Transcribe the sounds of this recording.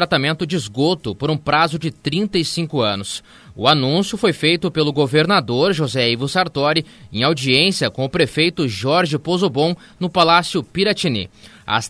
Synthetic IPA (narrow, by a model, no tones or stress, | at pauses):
ɾat̪amẽnt̪ʊd͡ʒizɡot̪ʊpoɾũpɾazʊd͡ʒɪt̪ɾĩnt̪ɐisĩŋkʊɐ̃nʊs | ʊanũsjʊfojfejt̪ʊpelʊɡoveɾnad̪oɾʒozɛivʊ̃saɾt̪ɔɾɪẽj̃awd͡ʒiẽsjɐkõʊpɾefejt̪ʊʒɔɾʒɪpozobõw̃ | nʊpalasjʊpiɾat͡ʃinḭ | a̰s